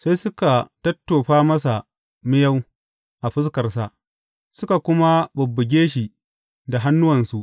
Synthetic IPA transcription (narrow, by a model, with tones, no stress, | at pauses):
sa˦jsʊ˦ka˨tɐ˦tːoː˨ɸaː˦mɐ˦s̬a˨ | mɪ˦ja˦w | ʔa˨ɸɪ˦skɐ˨rsa̰˨ʔ | sʊ˦ka˨kʷʊ˦ma˦bʊ˨bːʊ˨ɡʲeː˦ʃ̬i˨ | da˨ɦa˦nːʊ˦wɐ˨nsu˨ʔ